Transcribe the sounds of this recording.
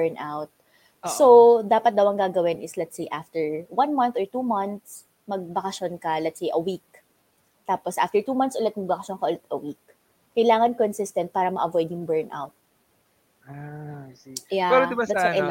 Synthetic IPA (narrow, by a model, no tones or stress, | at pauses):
bɛɹnʔawt̪̚ | sod̪aːpɐt̪̚d̪ɐwɐŋɡaːɡɐwɪnʔɪslɛt̪sejʔaft̪ɛɹwɐnmɐ̃nθɔɹt̪uːmɐnt̪s | mɐɡ̚bɐkɐʃonkɐlɛt̪sejʔɐwik̚ | t̪aːposʔa̰ft̪ɛɹt̪uːmɐnt̪sʔʊlɛt̪̚mɐɡ̚bɐkɐʃonkɐʔʊlɪt̪̚ɐ̰wik̚ː | ɐjlaːŋɐnkɔnsɪst̪ɛnt̪̚paːɾɐmɐʔɐvojd̪ɪŋbɛɹnʔa̰wt̪̚ | a | japɛɾod̪ɪad̪aɛ